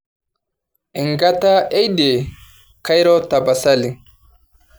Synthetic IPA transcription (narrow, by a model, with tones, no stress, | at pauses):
ʔɪŋɡɐt̪a˦ʔɛ˦jd̪e˨ | kɐ˦jɾɔ˦t̪ɐ˨bɐ˨sɐlɪ˨